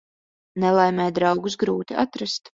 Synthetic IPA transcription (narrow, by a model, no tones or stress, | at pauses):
nɛlˠajmʲɛːjd̪ɾɑwɡus̬ɡɾuːt̪iat̪ɾast̪